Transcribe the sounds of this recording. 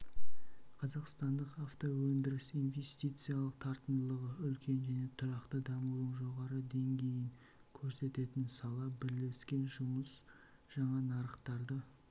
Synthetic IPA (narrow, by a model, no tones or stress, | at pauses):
qʰɑzɑqst̪ɑnd̪əqaft̪owɵnd̪ɪɾɪsijnvʲe̞st̪ijt̪sɨjalˠəqt̪ʰɑɾt̪əmd̪əlˠəʁəʏlkʲʰe̞nʒæne̞t̪ʰʊɾɑqt̪əd̪ɑmulˠəɴʒo̞ʁɑɾəd̪e̞ŋɡʲe̞jɪŋ | kʲʰɵɾse̞t̪e̞t̪ɪnsɑlˠɑbɪɾle̞skʲe̞nʒʊməs | ʒ̥ɑɴɑnɑɾəqt̪ɑɾd̪ə